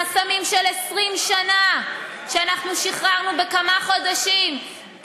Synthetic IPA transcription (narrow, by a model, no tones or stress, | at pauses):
asamimʃelesʁimʃana | ʃeanaχnuʃiχʁaʁnubekamaχo̞daʃim